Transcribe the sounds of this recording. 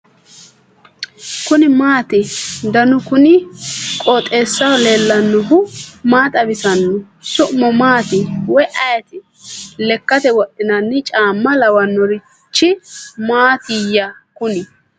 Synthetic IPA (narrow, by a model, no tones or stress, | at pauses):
kʊnɪmaːt̪ɪd̪ɐnʊkʊnɪkʼɔːt̪ʼeːsːɐwle̞ːlːɐnːɔɦʊmaːt̪ɐbɪsɐnːʊ | sʊʔmɔmaːt̪ɪwɔjʔɐjɐt̪ɪ | lɛkːɐt̪ɛwɔɗːɪnɐnːɪt͡ʃʼaːmːɐlɐwɐnːɔɾɪ | t͡ʃːɪmaːt̪ɪjːɐkʊnɪ